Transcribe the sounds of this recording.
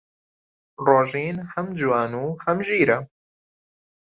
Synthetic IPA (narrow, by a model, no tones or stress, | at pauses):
roːʒiːnhɐmd͡ʒwaːnuːhɐmʒiːɾɐ